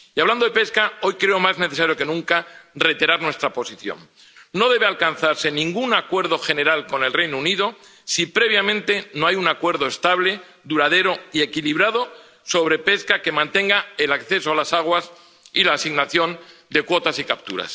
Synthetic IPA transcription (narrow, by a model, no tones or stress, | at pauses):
iaβland̪oðe̞pe̞skao̞jkɾeo̞mazne̞θe̞saɾjo̞ke̞nũŋkare̞t̪iɾaɾnwe̞st̪ɾapo̞siθjo̰nː | o̞ð̞eβealkanθaɾse̞nĩŋɡunakwe̞ɾð̞o̞xe̞ne̞ɾalko̞ne̞lre̞jnouniðo̞ | sipɾe̞β̞jamẽnt̪e̞noajunakwe̞ɾðoest̪aβle̞ | ðuɾaðe̞ɾo̞ie̞kiliβɾað̞o̞ | so̞β̞ɾe̞pe̞skake̞mãnt̪e̞ŋɡae̞lakθe̞soalasaɣ̞was | ilaːsiɣnaθjo̞nd̪e̞kwo̞t̪asikap̚t̪ṵɾa̰s